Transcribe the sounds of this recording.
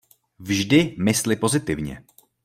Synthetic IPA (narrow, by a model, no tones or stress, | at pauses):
vʒdɪmɪslɪpo̞zɪt̪ɪvɲɛ̰